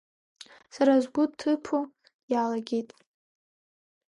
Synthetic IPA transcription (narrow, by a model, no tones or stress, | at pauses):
saɾazʷɡʷʊtʰːɨpʰo | jalaɡʲejtʼ